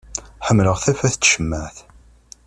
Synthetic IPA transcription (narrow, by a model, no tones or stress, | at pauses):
ħəmːləʁθæfæθt͡s̪ːʃəmːəʕθ